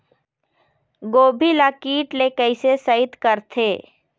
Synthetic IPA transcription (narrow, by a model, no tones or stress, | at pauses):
ɡoːbʱilakiːʈlekəɪsesəɪt̪kəɾt̪ʰeː